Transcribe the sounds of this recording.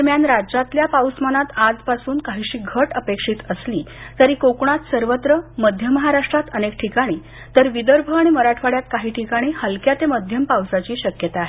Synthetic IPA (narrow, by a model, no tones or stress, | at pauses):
əɾmjanɾad͡ʑat̪ljapawsmanat̪ad͡zpasuːnkaɦiɕiːɡʱəʈəpekʂiːt̪əsliː | t̪əɾiːkokɳ̃at̪səɾʋət̪ɾəməd̪ʱjəməɦaɾaʂʈɾat̪ənek̚ʈʰikaɽ̃iː | t̪əɾʋid̪əɾbʱəaɽ̃iməɾaʈʰʋaɽjat̪kaɦiːʈʰikaɽ̃iːhəlkjat̪eməd̪ʱjəmpawsat͡ɕiːɕəkjət̪aːɦe